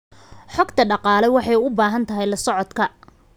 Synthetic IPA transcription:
ħɔɡt̪ʰɐɖɑqɑːlɛwɑħɑjʊbaːɦɐnt̪ʰɐɦɛjlɐsɔʕɔd̪kʰɐ

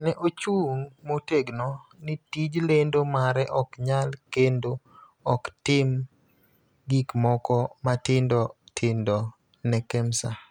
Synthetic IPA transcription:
nɛʔot͡ʃuŋmoteɡnɔnitid͡ʒlendomaɾɛʔɔkɲalkendo | ɔktɪm | ɡikmɔkɔmatɪndɔtʰɪndɔ | nɛkɛmsa

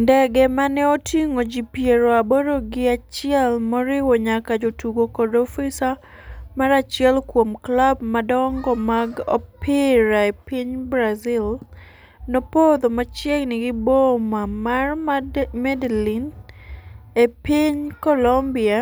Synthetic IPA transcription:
ndɛɡɛmanɛotʰiŋod͡ʒipjeɾoaboɾoɡɪat͡ʃɪɛlmɔɾɪwoɲakad͡ʒotuɡokɔdɔfisa | maɾat͡ʃɪɛlkwomklabmadɔŋɡɔmaɡɔpɪɾaepiɲbɾazɪl | nopod̪omat͡ʃjɛɡnɪɡɪbomamarmɛdlin | epiɲkɔlɔmbia

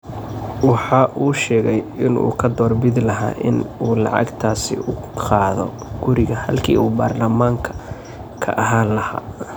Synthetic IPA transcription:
wɑħɑːʔuːʃɛːɣɛjɪnṵːkʰɐd̪ɔːrbɪd̪lɐɦa̰ːʔɪ̰nuːlɑ̰ʕɑ̰ɡt̪ʰaːsɪ̰ʊ | qɑːðɔ̰ | ɡ̥ʊɾɪɣɐhɐ̰lkʰḭːuːbaːrlɐmaːŋkʰɐ̥ | kʰɐ̰ʔɐɦaːlɐha̰ː

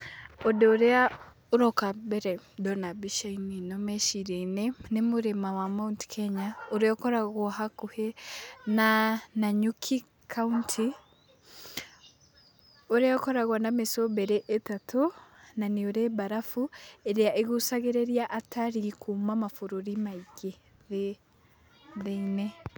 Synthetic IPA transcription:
odeoɾea | oɾokabɛɾɛdɔnabiʃaininomeʃiɾainenemuɾemawamaunti̥kʰeɲaoɾeɔkɔɾaɣɔhakuhenanaɲukʰi | kʰauntʰi | oɾeokoɾaɣwanamesoβeɾeʔetatʰonanioɾeβaɾafueɾjaʔeɣusaɣeɾeɾjaʔatʰaɾikumamafuɾuɾimaiɡe | ðe | ðeine

